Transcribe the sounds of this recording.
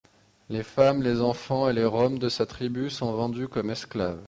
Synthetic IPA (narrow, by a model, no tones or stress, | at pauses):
lefamlezɑ̃fɑ̃eleʁɔmd̪əsat̪χibysɔ̃vɑ̃d̪ykɔmɛsklav